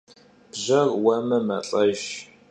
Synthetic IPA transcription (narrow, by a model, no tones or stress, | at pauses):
b̥ʑɐrwɐmɐmɐ̰ɬʼɐʒ